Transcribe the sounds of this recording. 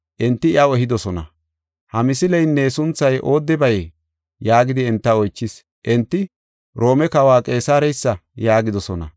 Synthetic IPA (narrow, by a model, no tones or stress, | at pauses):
ʔɛnt̪ːɪɪɐwɛɦɪd̪ɔsɔnɐ̰ | hɐmɪsɪlɛjnːeːsʊnt͡sːɐjʔo̞ːd̪ːɪbɐj | jaːɡɪd̪ɪɛnt̪ːɐɔjt͡ʃːɪs | ʔɛnt̪ːɪ | ɾo̞ːmɛkɐwaːkʼe̞ːsaːɾɛjsːɐjaːɡɪd̪ɔsɔnɐ̰